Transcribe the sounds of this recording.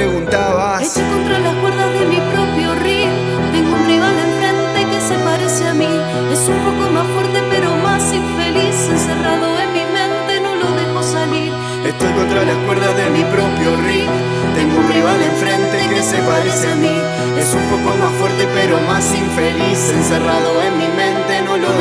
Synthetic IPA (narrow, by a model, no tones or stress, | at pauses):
pɾeɣũnt̪aβaesekont̪ɾalakweɾðazðemipɾopɾjorio | t̪eŋɡounriβ̞alẽɱfɾẽnt̪ekesepaɾeseami | esumpokomasfweɾt̪epeɾomasiɱfeliseseraðoemimẽnt̪enõloðexosaliɾ | est̪ojkõnt̪ɾaðeskweɾðaðemipɾopɾjori | t̪eŋɡounriβ̞aleɱfɾẽnt̪ekesepaɾeseamĩ | esumpokomasfwoɾt̪epeɾomasiɱfelisenseraðoemimẽnt̪enõlo